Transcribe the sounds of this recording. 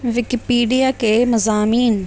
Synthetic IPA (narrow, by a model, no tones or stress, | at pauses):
ʋɪkipiːɖijakeːmɐzaːmiːn